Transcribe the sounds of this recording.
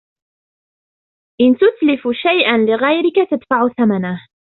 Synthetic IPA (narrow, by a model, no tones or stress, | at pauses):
ʔɪnt̪ʊt̪lɪfʃajʔanlɪɣajɾɪkat̪ad̪faʕʊθamanah